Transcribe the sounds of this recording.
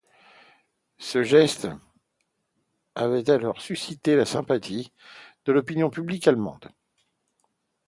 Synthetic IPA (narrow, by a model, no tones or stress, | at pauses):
səʒɛst̪ | avɛt̪alɔʁsysit̪elasɛ̃pat̪ʰi | d̪̥əlɔpinjɔ̃pyblikalmɑ̰̃d̪